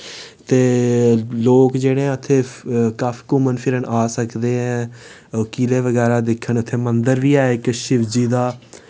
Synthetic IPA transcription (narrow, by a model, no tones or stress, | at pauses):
t̪eː | loːkd͡ʒeːɽẽːʊt̪ʰːeːkaːfʰkʊmənpʰɪɾənʔaːsəkd̪eːɦɛ̃ː | okiːleːʋəɡɛːɾaːd̪ɪkʰːənt̪ʰːeːmənd̪əɾʋiːaːeɪkʃɪʋd͡ʒiːd̪aː